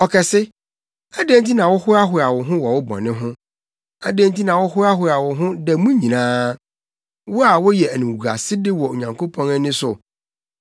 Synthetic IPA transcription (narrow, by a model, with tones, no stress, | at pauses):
ɔ˨kʰɛ˨sɪ˦ | æ˦dẽ˦n˦ti˦nã˨wɔ˦hʊ˦ɾa˦ɦʊ˨˦ɾa˨wʊ˨ɦʊ̃˦wɔ˨wʊ˦bɔ̰̃˨nɪ̃˦ɦʊ̃˦ | a˦dẽ˦nti˦nã˨wɔ˦hʊ˦ɾa˦ɦʊ˨ɾa˨wʊ˨ɦʊ̃˦dɛ˨˦mũ˦ɲĩ˨nãː˦ | wʊ˦a˨wɔ˦jɛ˨æ˨nũ˨ɡa̰˨sɪ˦dɪ˦wɔ˨o˨ɲã˨ŋkʰo˦pʰɔ̃˦nɛ˦nɪ̃˦sʊ˨